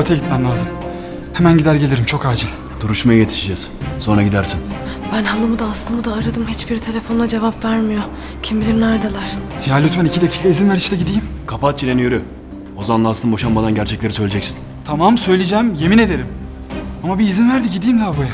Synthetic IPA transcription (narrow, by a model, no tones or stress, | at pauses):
øt̪ʰɛɟit̪mæmlʲaːzɯm | hemænɟid̪æɾɟelʲeɾimt͡ʃʰo̞kaːd͡ʒilʲ | d̪̥uɾuʃmajajet̪ʰi̥ʃid͡ʒɛz̥so̞nɾaɟid̪æɾsin | b̥ænɦalˠɯmɯd̪aːst̪ˠɯmɯd̪aːɾad̪ɯmɦit͡ʃbiɾt̪ʰe̞lʲe̞fo̞nlˠad͡ʒe̞vapvæɾmijo | cʰimbilʲimnæɾd̪alˠaɾ̥jalʲyt̪ʰvænicʰid̪acʰiːkʰaizinvæɾiʃt̪ɛɟid̪ijimkʰapʰat̪̚d͡ʒiɾʲenijøɾy | ozanlˠasɯnbo̞ʃambad̪anɟæɾt͡ʃʰɛclʲe̞ɾisøjlʲed͡ʒɛcsi̥n | t̪ʰamamsø̞jlʲed͡ʒæmje̞mine̞d̪e̞ɾim | amabiːzinvæɾd̪iɟid̪ijmlʲabuja